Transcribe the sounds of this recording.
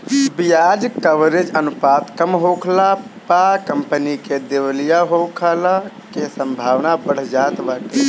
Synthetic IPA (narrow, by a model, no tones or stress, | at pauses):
bijad͡ʒkəʋɾed͡ʒənupat̪kəmɦokʰlapakəmpəniked̪ewlijaɦokʰəla | kesəmbʱaʋnabəɽ̤d͡ʒat̪bake